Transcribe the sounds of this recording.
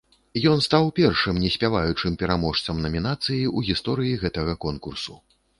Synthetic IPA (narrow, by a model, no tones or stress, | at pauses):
jɔnst̪awpʲɛrʂɨmnʲɛsʲpʲavajut͡ʂɨmpʲɛɾamɔʂt̪sɐmnɐmʲinat̪sɨjiuɣʲist̪ɔɾɨjiɣɛt̪ɐɣɐkɔnkursu